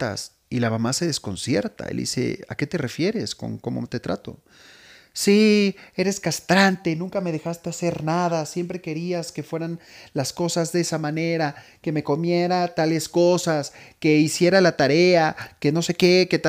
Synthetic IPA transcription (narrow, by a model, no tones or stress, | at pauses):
a̰s | ilamamase̞ðe̞sko̞̰nsje̞̰ɾt̪a̰ḛld̪ḭse̞̰a̰ke̞t̪e̞re̞fje̞ɾe̞sko̞̰ŋko̞mo̞̰t̪e̞t̪ɾʔa̰t̪o̞̰ | sie̞ɾe̞skast̪ɾant̪e̞nũŋkame̞ð̞e̞xast̪e̞ase̞ɾnaðasjempɾe̞ke̞ɾiaske̞fwe̞ɾanlasko̞sazðeesamãne̞ɾa | ke̞me̞ko̞mje̞ɾat̪ale̞sko̞saske̞isje̞ɾalat̪aɾe̞ake̞no̞se̞ke̞ke̞t̪